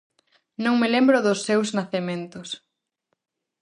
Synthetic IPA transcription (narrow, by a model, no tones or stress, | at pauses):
nõŋmelembɾʊðʊsːewznaθemẽnt̪ʊs